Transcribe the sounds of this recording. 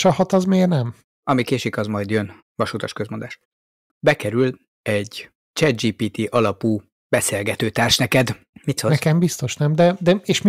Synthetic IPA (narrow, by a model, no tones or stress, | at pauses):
ʃɒɦɒt̪ɒzmeːɡnɛm | ɒmikeːʃikɒzmɒjd̪jøn | vɒʃut̪ɒʃkøzmo̞nd̪aːʃ | bɛkɛɾyl | ɛɟ | t͡ʃɛd̪d͡ʒiːpiːt̪iʔɒlɒpuː | b̥ɛseːlɡɛt̪øːt̪aːrʃnɛkɛd̪ | mit̪sokɛmbist̪o̞ʃnɛmd̪ɛd̪ɛeːʃm